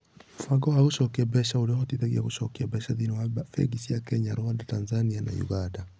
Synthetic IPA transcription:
m̩faɡɔwaɣuʃɔkiabɛʃauɾiɔhɔtitaɣiakuʃɔ̰kiabɛʃaðinɔwafɛ̰ɡisiakɛɲaɾoandatanzaniana̰jṵɣanda

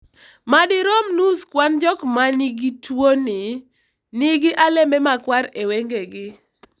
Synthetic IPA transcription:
madɪɾɔmnuskwand͡ʒɔkmaniɡitwonɪ | nɪɡɪʔalembemakwaɾeweŋɡeɡɪ

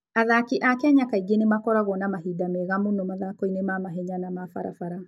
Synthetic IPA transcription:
aðakiʔakɛɛɲakaiɡenemakɔɾaɣɔnamaɦidameɣamonɔmaðakoinemamaɦɛɲanamafaɾa̰faɾa

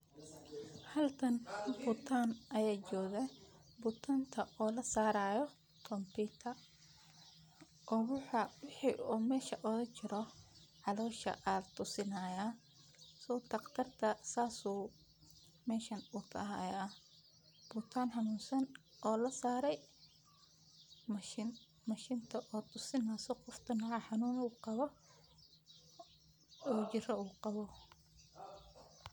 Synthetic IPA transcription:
hɐlk̪ʰɐnbʊt̪ʰaːnʔɐjaːt͡ʃɔːðɛbʊt̪ʰant̪ʰɐʔɔːlɐsaːɾaːjɔ | t̪ʰɔmpʰiːt̪ʰɐ | ʔɔɣʊħɐwɪħiʔuːmɛːʃɐʔɔðɐt͡ʃɪɾɔʕɑlɔːʃɐ̰ʔalt̪ʰʊsɪnaːja | sɔːt̪ɐqt̪ʰɐrt̪ʰɐsaːsuː | mɛːʃɐnut̪ʰɐ̰ɦa̰ːjaː | b̥ʊt̪ʰaːnħɑnuːnsɐn | ʔɔːlɐsaːɾɛj | mɪn | mɐʃɪnt̪ʰɐʔɔːt̪ʰʊsɪnaːsɔqɔft̪ʰɐnɑʕɑħɑnuːnuːqɑβɔ | ɔːt͡ʃɪɾɔuːqɑβɔ

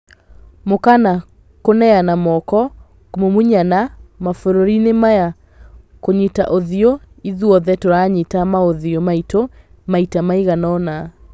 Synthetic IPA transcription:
mokana | konɛjanamɔkɔ | komomuɲanamafoɾoɾinemaja | koɲita̰ʔoðio | iðuɔðɛtoɾaɲitamaoðiomaito | maitamaiɣanɔna

